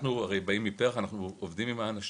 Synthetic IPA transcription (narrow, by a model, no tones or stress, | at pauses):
nuaʁejbaimːipeʁaχanaχnuovd̪imimaːnaʃ